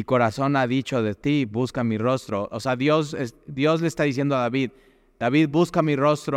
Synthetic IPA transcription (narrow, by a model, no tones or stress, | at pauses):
iko̞ɾaso̞naðit͡ʃo̞ðe̞t̪iβuskamiro̞st̪ɾo̞ʔoseaðjo̞sesd̪jo̞zle̞st̪aðis̬je̞nd̪oaðaβið | d̪̥aβiðbuskamiro̞st̪ɾo